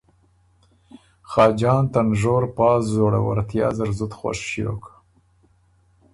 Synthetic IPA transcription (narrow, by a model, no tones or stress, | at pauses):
xɑːd͡ʒɑːnt̪anʐoɾpɑːzzoɽa̰wa̰ɾt̪jɑ̰ːzaɾzʊt̪xwa̰ʂʃjo̰ka